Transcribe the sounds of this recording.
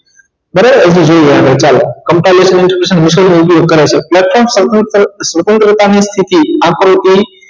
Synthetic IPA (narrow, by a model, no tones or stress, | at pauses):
bəɾaəd͡ʒid͡ʒojaʋet͡ʃalokəmpalesmẽnʈpɾsənmɪskəlmoup̬joɡ̚kəɾajt͡ʃʰeplɛʈfɔɾmssʋət̪ənt̪ɾət̪anist̪ʰit̪iakɾot̪i